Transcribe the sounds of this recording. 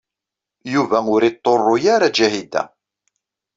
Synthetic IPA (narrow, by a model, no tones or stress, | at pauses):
juvæʊɾit̪ˤːorˤːojaɾad͡ʒæhid̪æ̰